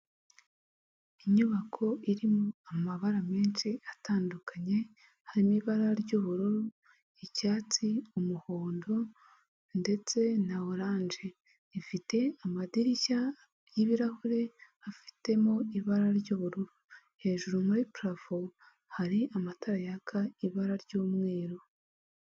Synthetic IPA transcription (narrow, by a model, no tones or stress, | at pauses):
iɲuβakʰo̞ʔiɾimoamaβaɾameːnʃiataːndukaɲe̞ | haɾimiβaɾaɾɟuːβuɾuɾu | icaːt͡siumuhoːndo | nde̞t͡se̞naoɾaːnʒe | ifite̞amadiɾica | jiβiɾahuɾe̞ | afi̥te̞moiβaɾaɾɟoːβuɾuɾu | he̞ːʒuɾumuɾipɾafo | haɾiamataɾajakʰaiβaɾaɾɟoːmŋe̞ːɾo